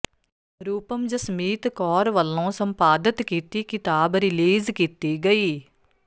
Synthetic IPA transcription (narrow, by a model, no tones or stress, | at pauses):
ɾuːpəmd͡ʒəsmiːt̪kɔːɾʋəlːõːsəmpaːd̪ɪt̪kiːt̪iːkɪt̪aːbɾɪliːzkiːt̪iːɡəiː